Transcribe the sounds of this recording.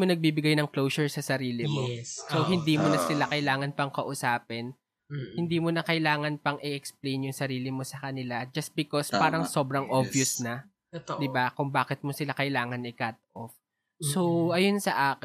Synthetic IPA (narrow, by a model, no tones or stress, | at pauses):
monɐɡ̚biːbɪɡajnɐŋklowsʊɹsɐsɐɾiːlɪmosoɦɪnd̪iːmonɐsɪlakɐjlaːŋɐnpɐŋkɐʔʊsaːpɛn | hɪnd̪iːmonɐkɐjlaːŋɐnpɐŋʔɪʔɛksplejnjʊŋsɐɾiːlɪmosɐkɐnɪlad͡ʒɐst̪̚bɪkospaːɾɐŋso̞ːbɾɐŋʔovjʊsnɐ | d̪ɪbakʊŋbaːkɪt̪̚mosɪlakɐjlaːŋɐnɪkat̪̚ʔo̰f | soɐjonsɐʔaːk